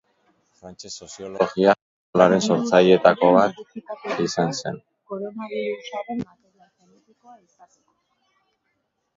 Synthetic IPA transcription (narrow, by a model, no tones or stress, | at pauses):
oɣia | laɾe̞nso̞ɾt͡saje̞t̪ako̞βat̪isanse̞̰n